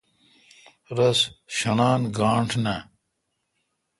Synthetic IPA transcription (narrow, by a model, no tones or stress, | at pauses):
ɾɐsɕɐnaːnɡaːɳʈʰna